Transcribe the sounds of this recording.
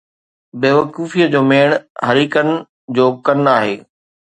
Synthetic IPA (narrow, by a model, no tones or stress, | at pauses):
beːʋɐkuːfijəd͡ʑoːmeːɽ̃hɐɾiːkənɪ̆ | d͡ʑoːkɐnaːɦeː